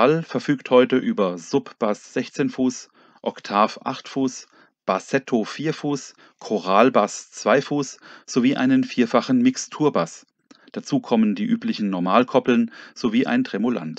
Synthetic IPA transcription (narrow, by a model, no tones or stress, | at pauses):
alfɛɐfyːkthɔʏtəʔyːbɐzʊpb̥asz̥ɛçt͡seːnfuːs | ʔɔktʰaːfʔa̰χtfuːs | b̥asɛtʰofiːɐfuːs | kʰɔʁaːlbast͡sv̥aɪfuːsz̥oviːʔa̰ɪnənfiːɐfaχn̩mɪkstʰuːɐbas | d̥at͡suːkʰɔməndiːʔyːplɪçn̩nɔɐmaːlkʰɔpl̩nz̥oviːʔa̰ɪntʁ̥ɛmola̰nt